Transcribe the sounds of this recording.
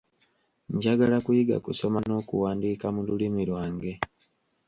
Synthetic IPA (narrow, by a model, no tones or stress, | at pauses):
ɲɟaɡalakujiɡa̰kuso̞mano̞ːkuwaːndiːkamululimiɾwaːŋɡe̞